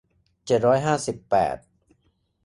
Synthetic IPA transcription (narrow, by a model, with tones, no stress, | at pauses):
t͡ɕe˨˩t̪̚ɾɔː˦˥jɦaː˥˩si˨˩pːɛ̰ː˨˩t̪̚